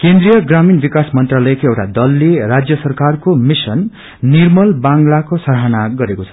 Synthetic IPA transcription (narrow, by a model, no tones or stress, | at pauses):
kend̪ɾijʌɡraminbikasmʌnt̪ralʌjekoewʈa̰d̪ʌlːerad͡zjʌsʌrkarkomisʌnː | irmʌlbaŋɡlakosʌɾɦanaɡʌɾekot͡sʰʌ̥